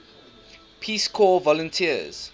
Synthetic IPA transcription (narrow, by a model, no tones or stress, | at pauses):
pʰiːskʰɔːvɔlə̃ntʰiəz̥